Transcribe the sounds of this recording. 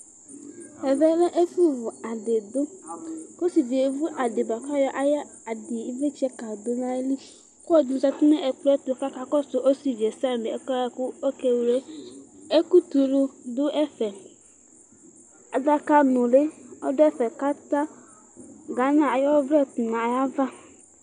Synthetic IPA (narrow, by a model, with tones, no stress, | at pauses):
ɛ˨vɛ˦lɛ˦ʔe˦fu˦vʊ˨a˨de˨do˦ko˦si˨d͡ʒe˨vu˦ʔa˨de˨ba˨ka˦jɔ˦ʔa˦ja˦ | a˨di˨i˦ve˦t͡ʃɛ˦ka˨do˦na˨e˦li˦ | kɔ˦˨di˨n˨za˨tu˦nɛ˦ʔɛ˨k͡pɛ˦tʊ˨ka˦ka˦kɔ˦so˨ʔo˦si˨d͡ʒe˨sa˦˨be˨ɛ˦ka˦ja˦ku˦o˦ke˦wu˨le˦e˦ku˦tu˨lu˧dʊ˦ʔɛ˦fɛ˨ | a˨da˦ka˦nʊ˨le˦ɔ̰˦dɛ˦fɛ˨ka˦ta˦ | ɡa˨˦na˦˨a˨jɔ˦vɾɛ˦tu˨na˨a˨ja˦va˦